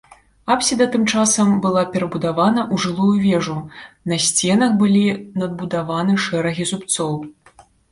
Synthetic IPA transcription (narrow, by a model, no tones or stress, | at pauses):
apsʲid̪ɐt̪ɨmt͡ʂasɐmbɨlˠapʲɛɾɐbud̪avanɐʔuʐɨlˠujuvʲɛʐunɐsʲt͡sʲɛnɐxbɨlʲinɐd̪̚bud̪avanɨʂɛɾɐɣʲizupt̪sɔw